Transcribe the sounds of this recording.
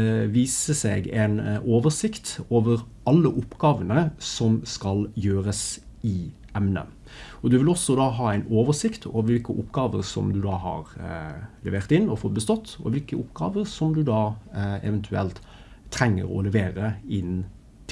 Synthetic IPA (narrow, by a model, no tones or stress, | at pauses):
ʋiːsəsɛɡɛ̰ɪnoːʋəʂɪkt̪oːʋəɾ | ɑlːəʔʊpːɡ̥ɑːʋənəsɔmskɑljøːɾəsɪ | ɛmnə̰ | ɔd̪ʉʋɪlɔsːɔd̪ɑːɦɑːæɪnoːʋəʂɪkt̪ʰo̰ːʋəʋɪlkəʔʊpːɡɑːʋəɾsɔ̰md̪ʉd̪ɑːhɑ̰ɾ | lɛ̰ʋeːʁt̪ɪnːɔfɔt̪̚bəst̪ɔt̪ːɔ̰ʋɪlkəʔʊpːɡ̥ɑ̰ːʋəɾsɔmd̪ʉd̪ɑːɛ̰ʋɛnt̪ʰʉɛlt̪ʰː | ɾɛŋːə̰ɾɔ̰lɛʋeːɾəɪn | t̪ʰ